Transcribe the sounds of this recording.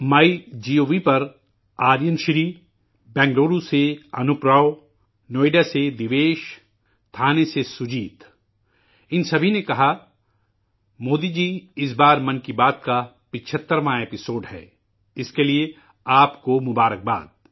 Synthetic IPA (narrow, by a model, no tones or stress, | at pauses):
mɐid͡ʒiːoːʋipɐɾ | aːɾjənʃɾiː | bɛ̃ːŋɡloːɾuseɐnʊpɾa | noːɪɖased̪ɪʋeːʃ | t̪ʰaːnesesʊd͡ʒiːt̪ | ɪnsɐbʱinekɐɦa | moːd̪id͡ʒiːɪs̬baːɾmɐ̃nkibaːt̪̚ka | pɪt͡ʃʰət̪ːəɾʋãeːpɪsoːɖɦɛ̰ː | ɪskelie | aːpkomʊbaːɾək̚ba̰ːd̪̚